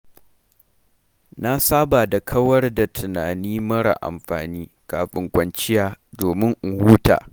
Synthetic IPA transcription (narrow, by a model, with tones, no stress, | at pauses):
na˦saː˦baː˨da˨kʰɐ˦wɐ˦rda˨tʰɪ˨naː˨niː˦mɐ˦ɽa̰˨ʔa̰˨mɸa̰ː˨niː˦kaː˨ɸʼɪ˨ŋkʷɐ˨nt͡ʃɪ˦jaː˨doː˨mɪ˦ŋʔʊ˨huː˦ta̰ː˨